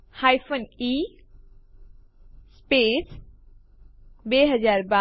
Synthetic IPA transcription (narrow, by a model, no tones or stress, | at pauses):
haːjfʰoni | speːs | beɦəzaːɾba